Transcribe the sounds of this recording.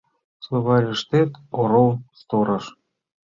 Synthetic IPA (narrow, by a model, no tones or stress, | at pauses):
soβɑɾʲiʃt̪et̪oɾolˠst̪oɾɤ̆ʃ